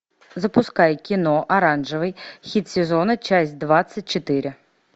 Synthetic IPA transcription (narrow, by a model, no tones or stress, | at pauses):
zɐpʊskɑjkʲinɔʔɐɾɑnʒɪʋɪjxʲit̪ʲsʲezɔnɐt͡ʃasʲd̪ʋɑsʲɐt̚ʲt͡ʃɔt̪ɪɾʲɪ